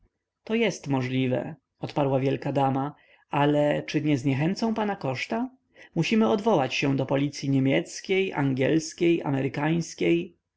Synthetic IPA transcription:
t̪ɔjɛst̪mɔʐlʲivɛ̰ | ɔt̪paɾwavʲjɛlkad̪ama | alɛt͡ʂɘɲɛzɲɛxɛnt̪sɔ̃w̃panakɔʂt̪a | muɕimɘɔd̪vɔwat͡ɕɕɛ̃d̪ɔpɔlʲit̪sʲjiɲemʲjɛt̪skʲeja̰ŋɡʲjɛ̰lskʲeja̰mɛɾɘkaj̃skʲej

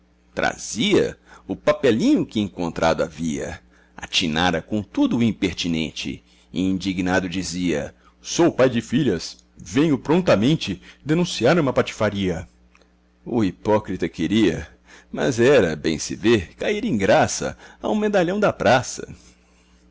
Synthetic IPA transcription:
t̪ɾa̰z̥iɐ̰ʊpapɛlĩɲʊkɪẽkõnt̪ɾa̰d̪ʊa̰viɐ̰ | a̰t͡ʃina̰ɾɐkõt̪ud̪ʊːĩpeɾt͡ʃinḛ̃nt͡ʃɪ̰ | ĩnd͡ʒiɡnad̪ʊd͡ʒiziɐ̰ | sowpajd͡ʒɪfiʎɐs | vẽɲʊpɾõnt̪ɐmẽnt͡ʃɪd̪enũsiaɾũmɐpat͡ʃi̥faɾiɐ | ʊipɔkɾit̪ɐkeɾiɐ | mɐ̰zɛɾɐbḛ̃j̃sɪ̰veɾkaiɾẽj̃ɡɾasɐ̰a̰w̃med̪aʎɐ̃w̃d̪ɐpɾasɐ̰

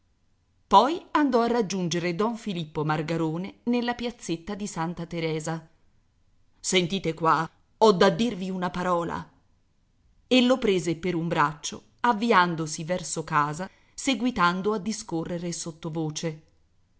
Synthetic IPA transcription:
pɔjand̪ɔarːad͡ʒːund͡ʒeɾed̪ɔɱfilipːomarɡaɾoːnenelːapjat̪sːet̪ːad̪isant̪at̪eɾɛːza | sent̪iːt̪ekwa | ɔd̪ːad̪ːirviunapaɾɔːla̰ | elːopɾeːzepeɾumbɾat͡ʃːo̰ | avːiand̪osivɛrsokaːza | seɡwit̪and̪oad̪ːiskorːeɾesot̪ːovoːt͡ʃe

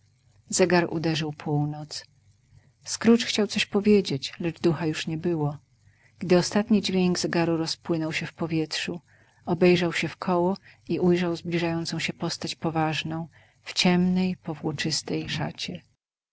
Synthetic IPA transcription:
zɛɡaɾʔṵd̪ɛʐɘwpʰuwnɔt̪s | skɾut͡ʂxt͡ɕawt̪sɔɕpɔvʲjed͡ʑet͡ɕlɛd͡ʐd̪uxajuʂɲɛbɘwɔ | ɡ̥d̪ɘɔst̪at̪ɲid͡ʑvʲjeŋɡzɛɡaɾuɾɔspwɘnɔwɕɛfpɔvʲjɛtʂu | ɔbɛjʐawɕɛfkʰɔwɔiʔujʐawzblʲiʐajɔnt̪sɔ̃w̃ɕɛpɔst̪at͡ɕpɔvaʐnɔ̃w̃ | ft͡ɕɛmnɛjpɔvwɔt͡ʂɘst̪ɛjʂa̰t͡ɕɛ

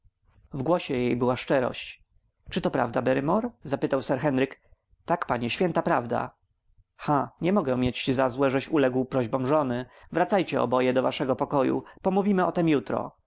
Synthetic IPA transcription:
vɡwɔɕɛjejbɘwaʂt͡ʂɛɾɔ̰ɕt͡ɕ | t͡ʂɘt̪ɔpɾa̰vd̪abɛɾɘmɔɾzapɘt̪awsɛɾxɛnɾɘk | t̪akpaɲɛɕfʲɛnt̪apɾavd̪a̰ | xaɲɛmɔɡɛmʲjet͡ɕːizazwɛʐɛɕulɛɡwpɾɔʑbɔ̃mʐɔnɘvɾat̪sajt͡ɕɛɔ̰bɔjɛd̪ɔvaʂɛɡɔpɔkɔjṵpɔmuvʲimɘɔt̪ɛmjut̪ɾɔ̰

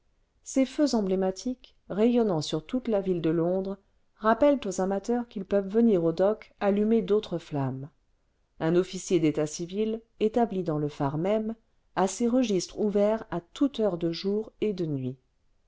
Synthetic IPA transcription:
seføzɑ̃blemat̪ʰik | ʁejɔnɑ̃syʁt̪ut̪lavild̪əlɔ̃d̪ʁ | ʁapɛlt̪ozamat̪œʁkilpœvːəniʁod̪ɔkalymed̪ot̪χəflam | ɛ̃nɔfisjed̪et̪asivil | et̪ablid̪ɑ̃ləfaʁmɛm | aseʁəʒist̪χuvɛʁat̪ut̪œʁd̪əʒuʁed̪ənɥi

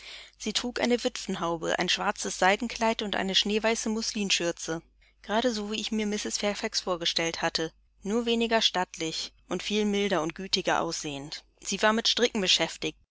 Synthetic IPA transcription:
z̥iːtʁ̥uːkʔa̰ɪnəvʏtfn̩ɦaʊbə̰ʔa̰ɪnʃv̥aɐt͡səsz̥aɪɡŋ̩kʰl̥aɪtʊntʔa̰ɪnəʃneːvaɪsəmʊsliːmʃʏɐt͡sə | ɡ̥əʁaːɾəzoːviːɪçmiːɐmɪsɪsfɛɐfɛksfoːɐɡəʃtɛlthatʰə | nuːɐveːnɪɡɐʃtatʰlɪçʔʊntfiːlmɪldɐʊnt̚ɡ̥yːtɪɡɐʔa̰ʊsz̥eːən | z̥iːvaːɐmɪtʃtʁ̥ɪkŋ̩bəʃɛftɪçt

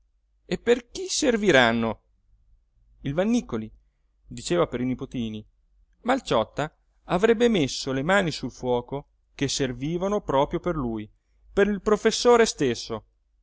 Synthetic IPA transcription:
epːerk̟iserviɾanːo | ilvanːikːoli | d̪it͡ʃeːvapeɾinipot̪iːni | malt͡ʃɔt̪ːaː | vɾɛbːemesːolemaːnisulfwɔːko | kesːerviːvanopɾɔːpɾjoperluːj | peɾilpɾofesːoːɾest̪esːo

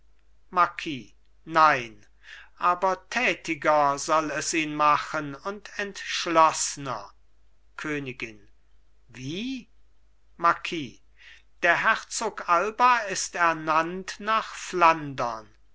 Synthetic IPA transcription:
maɐkʰiː | naɪn | ʔaːbɐtʰɛːtɪɡɐzɔlɛsiːnmaχənʊntʰɛntʃlɔsənɐ̰ | kʰøːnɪɡɪn | viː | makʰiː | d̥eːɐɦɛʁt͡soːkalbɐɪstɛɐnantnaːχflandɐ̰n

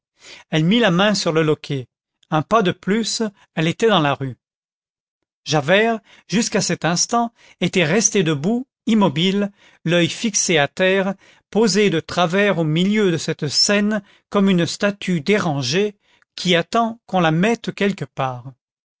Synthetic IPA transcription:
ɛlmilamɛ̃syʁləlɔkʲʰe | ɛ̃pad̪əplys | ɛlet̪ɛd̪ɑ̃laʁy | ʒavɛʁ | ʒyskasɛt̪ɛ̃st̪ɑ̃ | et̪ɛʁɛst̪ed̪əbu | imɔbil | lœjfikseat̪ɛʁ | pozed̪ət̪χavɛʁomiljød̪əsɛt̪sɛn | kɔmynst̪at̪ʰyd̪eʁɑ̃ʒe | kʲʰiat̪ɑ̃kɔ̃lamɛt̪kʲɛlkəpaːʁ

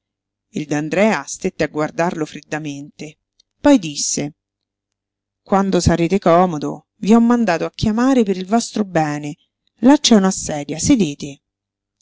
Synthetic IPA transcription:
ild̪and̪ɾɛːast̪et̪ːeaɡward̪arlofɾid̪ːament̪e | pɔjd̪isːe | kwand̪osaɾeːt̪ekɔːmod̪o̰ | viɔmːand̪aːt̪oakːjamaːɾepeɾilvɔst̪ɾobɛːne | lat͡ʃːaunasːɛːd̪jased̪eːt̪e

